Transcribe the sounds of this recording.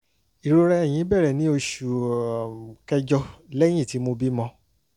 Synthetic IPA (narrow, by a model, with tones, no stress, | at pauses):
i˨ɾo˧ɾɛ˧ɛ˨j̃ĩ˨˧˦bɛ˦˨ɾɛ˨nĩ˨˦o˧ʃu˨ | kɛ˦d͡ʒɔ˧lɛ˦j̃ĩ˦˨ti˨˦mo˧bi˦mɔ̃˧